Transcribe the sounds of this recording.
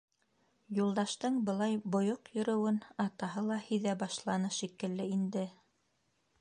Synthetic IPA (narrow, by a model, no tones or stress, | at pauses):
julˠd̪ɑʃt̪ɤɴbɤ̆lˠɑjbŏjoqjŏɾɵ̆wɘnɑt̪ɑɦɤlˠɑhĭðæbɑʃlˠɑnɤʃikɘ̆lːɘind̪ɘ